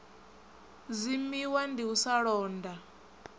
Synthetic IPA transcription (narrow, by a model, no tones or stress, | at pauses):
zimiwandiusaɺɔːndʱa